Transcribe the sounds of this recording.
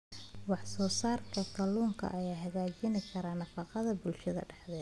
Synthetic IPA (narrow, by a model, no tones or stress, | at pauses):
wɑħsɔːsaːrkʰɐt̪ʰɐluːŋkʰɐ̰ʔɐjaːɦɐɣaːt͡ʃɪnɪkʰɐɾaːnɐfɑqɑðɐbʊlʃɐðɐ̰ɖɑħd̪ɛː